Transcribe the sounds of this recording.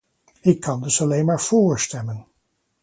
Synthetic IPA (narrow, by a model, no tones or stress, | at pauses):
ɪkʰːɑndɵsɑlejnmaːɹv̥oːɹstɛmən